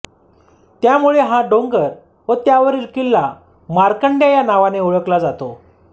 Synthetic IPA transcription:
t̪jamuɭeɦãɖoŋɡəɾ | ʋət̪jaʋəɾiɾkilːa | maɾkəɳɖjajanaʋaneuɭəklad͡zat̪o

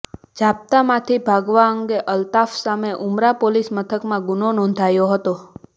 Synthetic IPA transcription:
d͡ʒap̚t̪amãt̪ʰibʱaɡʋaəŋɡeʔəlt̪afsameʔumɾapolismət̪ʰəkmãɡunonɔ̃nd̪ʱajoɦət̪o

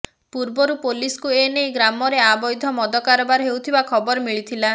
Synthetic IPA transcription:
puɾbɔɾupoliskuenejɡɾamɔɾeabɔjd̪ʱɔmɔd̪ɔkaɾɔbaɾɦewt̪ʰibakʰɔbɔɾɔmiɭit̪ʰila

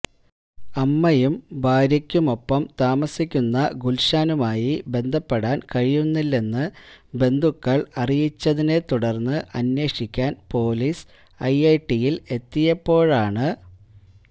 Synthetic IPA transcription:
ɐmːɐjumbʱaːɾjɐkʲːumo̞pːɐmt̪aːmɐsikʲːunːɐɡulɕaːnumaːjibe̞nd̪ʱɐpːeɽaːnkɐɻijunːilːe̞nːɨbe̞nd̪ʱukːɐɭɐrijit͡ɕːɐðine̞t̪uɽɐrnːɨʔɐnwe̞ːʂikʲːaːnpo̞ːlis | ɐjɐjʈːijile̞t̪ːijɐpːo̞ːɻaːɳɨ

